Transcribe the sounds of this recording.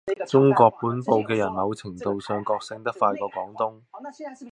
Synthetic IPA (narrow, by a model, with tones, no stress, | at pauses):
t͡sʊ˥ŋkʷɔː˧k̚puː˨˥npo˨wkɛː˧jɐ˨˩nmɐ˨˧wt͡sʰɪ˨˩ŋt̪o˨wsœː˨ŋkɔː˧k̚sɪ˧ŋt̪ɐ˥k̚faː˧jkɔː˧kɔː˨˥ŋt̪ʊ˥ŋ